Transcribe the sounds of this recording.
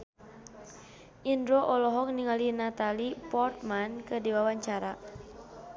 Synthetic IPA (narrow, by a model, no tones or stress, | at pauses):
ʔindɾɔʔɔlɔɦɔk̚niŋalinat̪alipɔrt̪̚mankədiwawaɲt͡ʃaɾa